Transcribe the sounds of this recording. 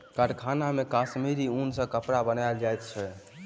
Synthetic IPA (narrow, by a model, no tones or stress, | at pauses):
kəʈkʰanamekasmiɾiunsə̃kəpɽabənajld͡ʒajt̪̚t͡ʃʰɛ